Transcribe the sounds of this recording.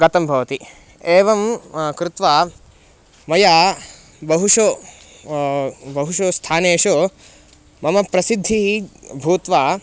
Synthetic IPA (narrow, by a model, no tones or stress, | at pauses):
ɡɐt̪ɐmbʱɐʋɐt̪i | eːʋɐmkɾɪt̪ʋaː | mɐjaː | bɐɦuʂo | bɐɦuʂost̪ʰaːneːʂo | mɐmɐpɾɐsid̪ʱːibʱuːt̪ʋaː